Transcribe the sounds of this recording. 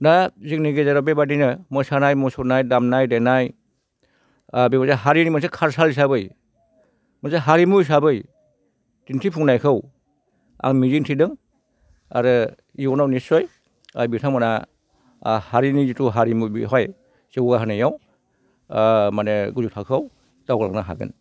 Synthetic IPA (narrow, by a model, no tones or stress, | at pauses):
nazik̚niɡezaɾɔbebadinɯmɔsanajmɔsunajdamnajdenaj | abimɔzaɦaɾinimas̬ekʰaɾsalis̬abɯj | mɯseɦaɾimus̬abɯj | dintʰipʰuŋnajkʰɯw | a̰ŋmizintʰidɯŋ | a̰ɾɯ | iɔnawnisɔj | a̰bitʰaŋmana | haɾinizituɦaɾimubḭɦɔj | seɡaɦanajaw | maneɡuzutʰakʰaw | tawɡla̰ŋnaɦa̰ɡɯ̰n